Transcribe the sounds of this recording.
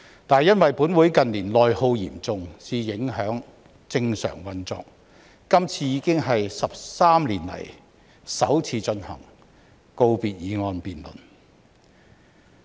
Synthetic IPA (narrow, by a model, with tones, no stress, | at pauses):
t̪aː˨jɐ˥nwɐ˨jpuː˨˥nwuː˨˥jkɐ˨nliː˨˩nlɔː˨jho˧wjḭː˨˩mt͡sʊ˨ŋsiː˨˩jɪ˨˥ŋhœː˨˥ŋ | t͡sɪ˧ŋsœ̰ː˨˩ŋwɐ˧nt͡sɔ̰ː˨k̚ː | ɐ˥mt͡sʰiː˧jiː˨˧˥kɪ˥ŋɦɐ˨jsɐ˨p̚saː˥mliː˨˩nlɐ̰˨˩j | sɐ̰˨˥wt͡sʰiː˧t͡sɵ˧nhɐ̰˨˩ŋ | ko˧wpiː˨t̚jiː˨˧ŋɔː˧npiː˨nlɵ̰˨˩n